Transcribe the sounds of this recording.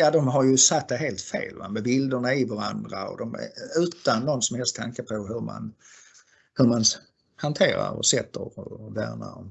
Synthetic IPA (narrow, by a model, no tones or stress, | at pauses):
jɑːd̪ɔmɦaɾjɵsat̪̚d̪ɛɦeːlt̪fḛːlvamɛbɪld̪əɳaɪvaɾand̪ɾaɔ̰d̪ɔmɛ̰ʉ̟ːt̪anːɔnsɔmhɛlst̪ʰaŋkəpʰɔɦɵɾma̰n | hɵɾman | hant̪ʰeːɾaɾɔ̰sɛt̪ːəɾɔvæːɾna̰ɾɔm